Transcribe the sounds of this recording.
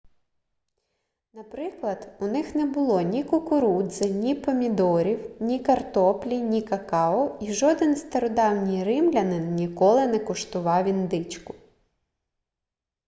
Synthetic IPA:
nɐpɾɪklˠɐd̪̥ʊnɪxnɛbʊlˠɔnʲikʊkʊɾud̪zɪnʲipɔmʲid̪ɔɾʲiwnʲikɐrt̪ɔplʲinʲikɐkɑɔiʒɔd̪ɪnst̪ɐɾɔd̪ɑwnʲijɾɪmlʲɐnɪnnʲikɔlˠɪnɛkɔʃt̪ʊʋɑwʲind̪ɪt͡ʃkʊ̥

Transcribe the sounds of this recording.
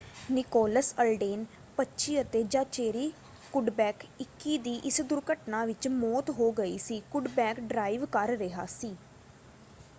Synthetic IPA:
nɪkɔːləsəlɖeːn | pətːʃiːət̪eːd͡ʒãːt͡ʃeːɾiː | kʊɖbɛːkɪkːiːd̪iːʔɪsd̪ʊɾkəʈnãːʋɪt͡ʃmɔːt̪ɦoːɡəḭːsiːkʊɖbɛːkɖɾaːɪʋkəɾːɪɦaːsiː

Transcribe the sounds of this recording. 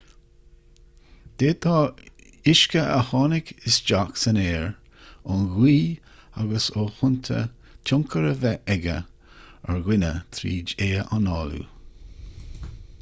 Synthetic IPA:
d̪̥eːt̪ʰɑː | ɪʃkəʔəhɑːnɪkɪsd͡ʒaksənɛːɹ | ʊnɡwiː | aɡəsoːhʊnt̪ʰə̰ | tʰʊŋkʰəɾəvɛʔɛɡə̰ | əɹɡwɪnə̰t̪ʰɾḭːd͡ʒeːʔanɑːlṵ

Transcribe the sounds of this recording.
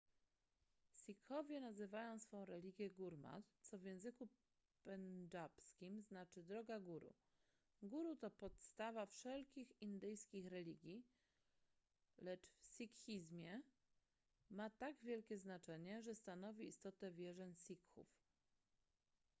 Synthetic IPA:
sʲikxɔvʲjɛnazɘvajɔ̃w̃sfɔ̃w̃ɾɛlʲiɡʲjɛɡuɾma̰t̪t̪sɔvʲjɛ̃w̃zɘku | pɛnd͡ʐapskʲimznat͡ʂɘd̪ɾɔɡaɡuɾṵ | ɡuɾut̪ɔpɔt̪st̪avafʂɛlkʲixind̪ɘjskʲixɾɛlʲiɡʲji | lɛt͡ʂfsʲikxʲizmʲjɛ | mat̪aɡvʲjɛlkʲɛznat͡ʂɛɲɛʐɛst̪anɔvʲiḭst̪ɔt̪ɛvʲjɛʐɛɲsʲikxṵf

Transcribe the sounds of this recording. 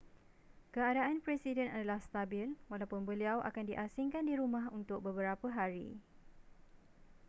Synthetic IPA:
kəadaʔanpɾɛsidɛnadalahst̪abɪlwalawpʊnbəliawʔa̰kandiʔasiŋkandiɾumãɦunt̪ʊk̚bəbəɾapəɦaɾḭ

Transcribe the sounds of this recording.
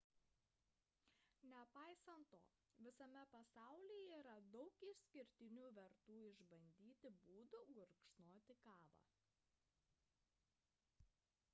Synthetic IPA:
nʲɛpɑˑɪsɐnt̪ːo̰ː | ʋʲɪsɐmʲɛpɐsɑˑʊlʲiːjɛiːɾɐd̪ɔʊkɪʃsʲkʲɪɾʲt̪ʲɪnʲuːʋʲɛɾt̪uːɪʒbɐnʲd̪ʲiːt̪ʲɪbuːd̪ʊɡʊɾkʃnoːt̪ʲɪkɑːʋɑ̰ː

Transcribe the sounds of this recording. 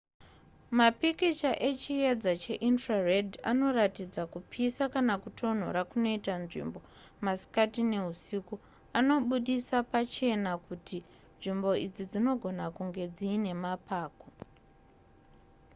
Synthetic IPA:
mapikit͡ʃaʔe̞t͡ʃije̞d͡zat͡ʃe̞ʔintraredʱa̰no̞ratid͡zakupʰisakanakutʰo̞n̤o̰ɾakuno̞itanʐḭmbo̞ | masi̥katine̞ɦusiku | ano̞ɓuɗisapat͡ʃe̞nakutʰi | nʐimbo̞id͡zid͡zino̞ɡʱo̞nakuŋɡe̞d͡ziːne̞mapaːko

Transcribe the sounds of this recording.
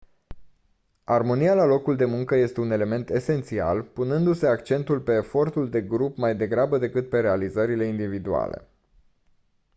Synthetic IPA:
armo̞nijalalo̞kuld̪e̞muŋkəje̞st̪eune̞le̞me̞nt̪e̞se̞nt̪sia̰lpunɨnd̪use̞akt͡ʃe̞nt̪ulpe̞ːfo̞rt̪uld̪e̞ɡɾupmajd̪e̞ɡɾabəd̪e̞kɨt̪̚pe̞ɾe̞alizəɾile̞ind̪ivid̪ua̰le̞̰

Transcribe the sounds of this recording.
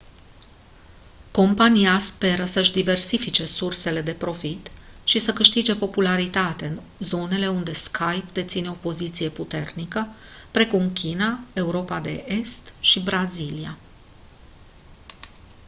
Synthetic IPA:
ko̞mpanijaspe̞ɾəsəʃd̪ive̞rsifit͡ʃe̞surse̞le̞d̪e̞pɾo̞fit̪ʃisəkɨʃt̪id͡ʒe̞po̞pulaɾit̪at̪eɨn | zo̞ne̞le̞und̪e̞skʰajpd̪e̞t̪sine̞o̞po̞zit̪sije̞put̪e̞rnikəpɾe̞kumkʲinae̞uɾo̞pad̪e̞̰ʔe̞st̪ʃibɾazilia

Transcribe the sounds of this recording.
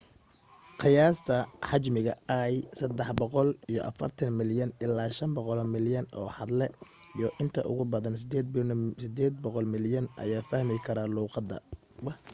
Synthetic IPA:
qɪjaːst̪ʰɐħɑt͡ʃmɪɣɐɐːjsɐd̪ːɛħbɔqɔlijɔ̰ʔɐ̰fɐ̰rt̪ʰɐnmɪljɐnɪlːaːʃɐmbɔqɔlɔmɪljɐnɔ̰ːħɑd̪lɛ | ijɞʔɪnt̪ʰɐ̰ʔʊ̰ɣʊbɐðɐnsɪd̪ɛːd̪sɪd̪ɛːd̪bɔqɔlmɪljɐnʔɐ̰jaːfɐhmɪkʰɐɾaːluːqɑd̪ɐ̰ | wɐ

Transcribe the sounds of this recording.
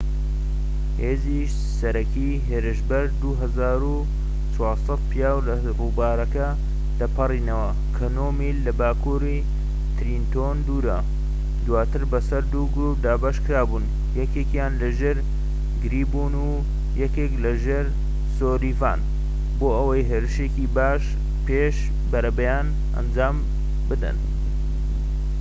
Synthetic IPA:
heːziʃ | sɐɾɐki | ɦeːɾɨʃbɐɾd̪uɦɐzaːɾu | t͡sʰwɑːlsɐt̪̚pʰijaːwlɐ | ruːbaːɾɐkɐ | d̪̥ɐpʰɐriːnɐwɐ | kʰɐnoːmilːɐbaːkuɾi | t̪ɾint̪ond̪uːɾɐ | d̪waːt̪ɨɾbɐsɐɾd̪uɡɾup̚d̪aːbaʃkɨɾaːbun | jɛkekjaːnlɐʒeːɾ | ɡɨɾiːbunu | jɐkeːklɐʒeːɾ | soːɾiːva̰ːn | boːɐwɐjɦeːɾɨʃecibaːʃ | peʃ | bɐɾɐbɐjaːn | ʔɐ̰nd͡ʒaːm | bɨd̪ɐ̰n

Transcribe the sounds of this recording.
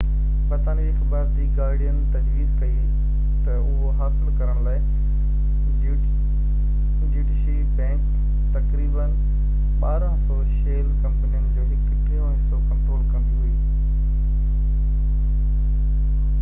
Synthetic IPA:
bɐt̪aːnid͡ʑixɐbaːɾd̪iːɡaːɾɽijənɪt̪ɐd͡ʑɾiːd̪kɐi | t̪ɐʊɦoɦaːsɪlkɐɾəɽ̃laːɪ | d͡ʑuːɖɪʃibɛ̃ːŋk | t̪ɐkɾiːbən | ɓaːɾãsɔːʃeːlkɐ̃mpənijənɪd͡ʑeːɦɪkkeːʋaːsɔkɐ̃mpɾoːlkɐ̃md̪iɦuiiː

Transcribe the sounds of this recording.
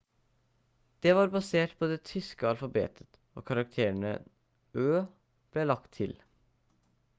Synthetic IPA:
d̪̥ɛːʋɑːɾbɑseːʈpʰɔd̪eːt̪ʰʏskəɑlfɑbḛːt̪ʰə̥t̪ | o̰ːkʰɑɾɑk̚t̪ʰeːɳə̰ | øː | b̥leːlɑkt̪ʰːɪl

